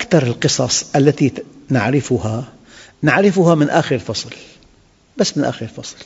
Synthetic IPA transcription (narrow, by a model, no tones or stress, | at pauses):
ʔakt̪ɑɾˤɪlqɨsˤɑsˤʔalːat̪inaʕɾɪfʊha | naʕɾɪfʊɦamɪnʔaːxɪɾlfɑsˤl | basːmɪnʔa̰ːxɪɾɪlfɑsˤl